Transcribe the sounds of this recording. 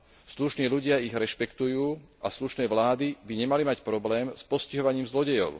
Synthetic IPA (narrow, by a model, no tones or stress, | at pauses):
sluʃniːluɟɪaiɣɾɛʃpɛkt̪ujuːasluʃnɛːʋlaːd̪ibiɲɛmalimacpɾɔblɛːmspɔsciɦɔʋaɲiːmzlɔɟɛjɔ̰ʊ